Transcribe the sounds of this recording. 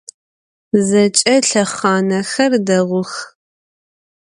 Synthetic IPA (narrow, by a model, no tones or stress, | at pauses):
zɐt͡ʃʼɐɬɐχɑːnɐxɐrdɐʁʷʊx